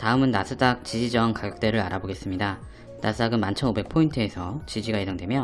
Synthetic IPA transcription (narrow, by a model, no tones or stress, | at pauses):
taɯmɯnːasʰɯdak̚t͡ɕid͡ʑid͡ʑʌŋkaɡjʌk̚t͈we̞ɾɯɾaɾaboɡe̞s͈ɯmɲida | nasʰɯdaɡɯnmant͡ɕʰʌnobe̞k̚pʰointʰɯe̞sʰʌt͡ɕid͡ʑiɡaisaŋdwe̞mjʌ